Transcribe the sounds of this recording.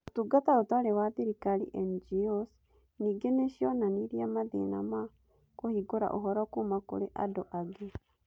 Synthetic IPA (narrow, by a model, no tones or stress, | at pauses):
otuɡataotaɾewaðiɾikalḭʔɛnd͡ʒios | niɡeneʃjɔnaniɾiamaðḛna̰ma | kohiɡoɾa̰ʔoɦɔɾakumako̰ɾeʔa̰doʔaɡe